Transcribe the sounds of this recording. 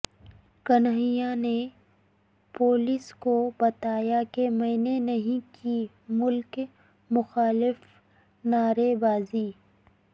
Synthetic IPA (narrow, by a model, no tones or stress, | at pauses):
kɐnɦijane | poːliskobɐt̪aːjakemɐ̃ːnenɐɦĩki | mʊlk | mʊxaːlɪf | naːɾebaːziː